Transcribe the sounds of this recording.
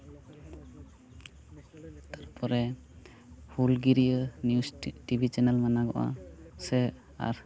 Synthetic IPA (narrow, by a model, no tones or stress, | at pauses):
t̪aɾpɔɾɛ | hulɡiɾiənijustibʱit͡ʃɛnɛlmanaɡɔʔa̰sɛ | a̰ɾ